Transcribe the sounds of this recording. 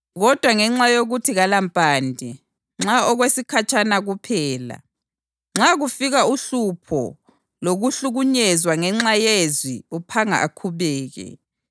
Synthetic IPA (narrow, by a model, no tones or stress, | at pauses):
ɣɔd̥ʱwaŋɛŋ͡ǁajoɣutʰiɣalampʼaːndʱɛ | ŋ͡ǁaɔɣwesikʰat͡ʃʰʼanaɣupʰɛːla̰ | ŋ͡ǁaɣufiɣauɬupʰɔ̰ | loɣuɬuɣuɲɛzwaŋɛŋ͡ǁajezwiupʰaŋa̰ʔakʰuβɛːɣɛ̰